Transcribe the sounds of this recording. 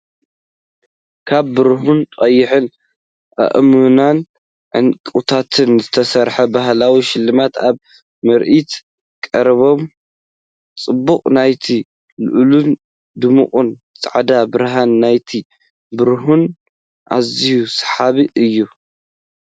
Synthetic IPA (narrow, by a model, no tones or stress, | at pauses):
kʰaβːɨɾɦunqʼɐjːɪħɨn | ʔɐ̰ʔmunan | ʕɨ̰nkʼut̪ʰat̪ʰɨnzɨt̪ʰɐsɐɾħɐbaɦlawiʃɪlːɨmat̪aβ | mɐɾʔit̪ | kʼɐɾβo̞m | t͡sʼɨbːuqʼnajt̪ʰi | lɨ̰ʔlun | d̪ɨmṵχʼunt͡sʼa̰ʕd̪abɨɾɦanːajt̪ʰi | bɨɾɦun | ʔa̰zihusħaβiʔɨjːu